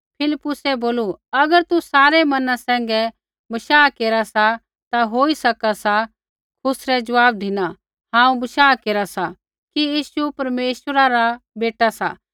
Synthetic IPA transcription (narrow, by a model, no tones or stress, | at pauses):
pʰɪlɪpːʊsɛboːluɐɡəɾt̪usaːɾɛmɐnãsɛ̃ːŋ̆ɡɛ | bɐʃaːkeːɾasa | t̪aɦoːisɐkasa | kʰʊsɾɛd͡ʒɐʋaːb̚d̪ʱɪna | ɦãːũbɐʃaːkeːɾasa | kijiːsupɐɾmeːʃwəɾaɾabeːʈasa̰ː